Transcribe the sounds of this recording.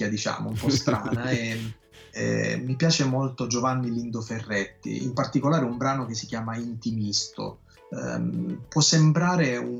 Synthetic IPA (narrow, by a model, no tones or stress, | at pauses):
ad̪it͡ʃa̰ːmo̰umpɔst̪ɾa̰ːnaɛ | ɛ̰mːipjaːt͡ʃemolt̪od͡ʒovanːilind̪oferːɛt̪ːḭḭmpart̪ikolaːɾeumbɾaːnok̟esːikjaːmaint̪imist̪o̰ | pwɔsːembɾaːɾeu